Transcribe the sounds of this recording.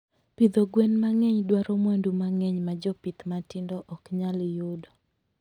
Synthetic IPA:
pid̪oɡwɛnmaŋɛɲdwaɾɔmwandumaŋɛɲmad͡ʒɔpit̪matɪndɔʔɔkɲaljudɔ

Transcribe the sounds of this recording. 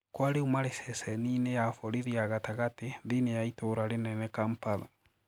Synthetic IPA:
kwaɾeumaɾesɛsɛninejafɔɾiɾiaɣataɣateðinejaitoɾaɾenɛnɛkampala

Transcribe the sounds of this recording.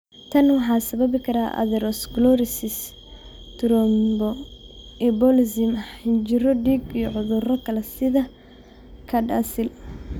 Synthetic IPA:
t̪ʰɐnwɑħɑːsɐβɐβɪkʰɐɾaːʔɐ̰ðɛɾɔsɡlɔɾɪsɪs | t̪ʰʊɾɔmbɔ | ɛbɔlɪsɪmɐɪnt͡ʃɪɾɔɖiːɡijɔʕʊðʊrɔkʰɐlɛsɪðɐ | kʰɐɖaːsɪl

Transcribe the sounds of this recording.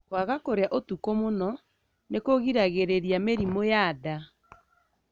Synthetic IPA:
kwaɣakoɾeaʔotukomonɔ | nekoɣiɾaɣeɾeɾjameɾimojaða

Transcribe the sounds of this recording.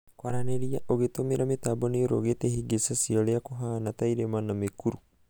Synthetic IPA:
kwaɾaneɾiaʔoɡet̪omeɾamet̪abonioɾoɡet̪ehiɡesasiɔleakoɦaːnat̪aiɾemanamekuɾu

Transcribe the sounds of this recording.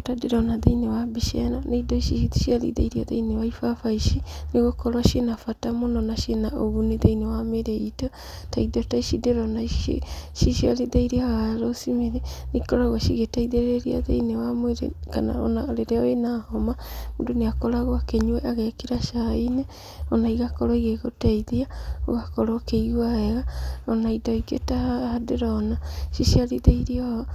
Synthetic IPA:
ɔtadeɾɔnaðainewabiʃɛ̰naneidɔʃiʃitiʃialḭða̰iɾiaða̰inewaifafaiʃineɣokɔɾwaʃenafatamonɔnaʃenaoβuneðeinewameɾeitɔ | taiðɔtaiʃideɾɔnaḛʃiʃialiðaiɾiaɣaɾosimeɾɛnikɔɾaɣwaʃiɣetaiðeɾeɾia̰ðḛinewamweɾḛka̰na̰ɔ̰naɾeɾeaenahɔmamundoneakoɾaɣɔakeɲuɛʔaɣɛkiɾaʃaine | ɔnaiɣakɔɾɔiɣeɣotaiðiao̰ɣakɔɾɔkeiɣwaɛɣaɔnaidɔikḛtahadeɾɔːnaʃiʃialiðeiɾiɔ

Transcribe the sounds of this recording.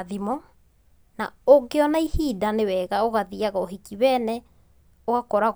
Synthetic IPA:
ðimɔ | naoɡeɔnaihidanewɛɣaoɣaðiaɣaoɦikiβɛːnɛ | oɣakɔɾaɣ

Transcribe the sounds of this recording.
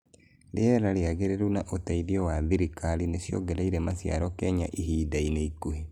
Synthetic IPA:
leeɾaleaɣeɾeɾunaʔotaiðiɔwaðiɾikalineʃjo̰ɡeɾaiɾɛmasja̰ɾɔkɛɲaʔihiːdaineikuhi

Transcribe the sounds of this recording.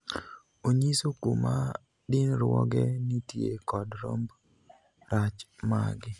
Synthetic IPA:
oɲisokoma | dɪnɾwɔ̰ɡɛnitjekɔdɾomb | ɾat͡ʃma̰ɡɪ

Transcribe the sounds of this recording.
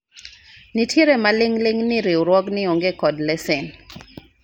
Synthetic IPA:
nitʰjeɾemalɪŋlɪŋnɪɾɪwɾwɔɡnɪoŋɡekɔdlɛsɪn

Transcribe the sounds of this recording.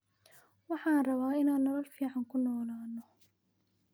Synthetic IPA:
wɑħɑːnrɐβaːɪnaːnːɔlɔlfiːʕɑŋkʰʊnɔːlaːnːɔ

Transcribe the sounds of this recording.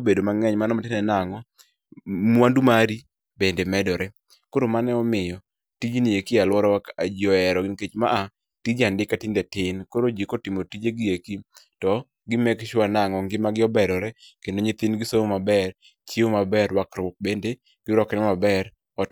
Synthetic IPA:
obedomaŋɛɲmanɔmatɪnɛnaŋɔ | mwandumaɾi | bendemɛdɔɾɛ | koɾomanɛɔmɪjɔ | tid͡ʒnijekialwɔɾɔwakad͡ʒiɔɛɾɔɡɪnket͡ʃmaʔa | tid͡ʒandɪkatɪndɛtɪnkoɾod͡ʒikotimotid͡ʒeɡɪjeki | tɔ | ɡɪmɛkʃwanaŋɔŋɡɪmaɡɪɔbɛɾɔɾɛkendoɲɪt̪ɪnɡɪsoomabɛr | t͡ʃiomabɛɾwakɾʊk̚bende | ɡ̥ɪɾɔkɛnɛmabɛr | ɔt

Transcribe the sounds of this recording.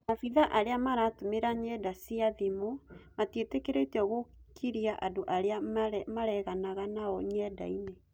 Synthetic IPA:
nafiðaʔaɾeamaɾatomeɾaɲɛːdasiaðemomatietekeɾetiɔɣokʰiɾiaʔadoʔaɾeamaɾɛɣanaɣanaɔɲɛda̰ine

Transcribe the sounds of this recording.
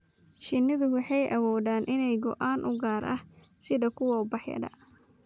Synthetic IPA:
ʃɪnːɪðʊwɑħɑjʔɐwɔːðaːnʔɪnɛjɡɔ̰ʔaːnʔʊɡaːɾʔɐ̰hsɪðɐkʰʊwɔbɐħjɐ̰dɐ̰

